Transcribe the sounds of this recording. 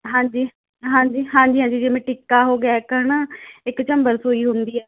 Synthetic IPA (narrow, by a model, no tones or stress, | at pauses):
ɦãːɲd͡ʒiː | ɦãːɲd͡ʒiːɦãːɲd͡ʒiːɦãːɲd͡ʒiːd͡ʒeːmẽːʈɪkːaːɦoːɡɪaːɛkəɾɳaɪkt͡ʃəmbəɾsoːiːɦʊ̃nd̪iːɛː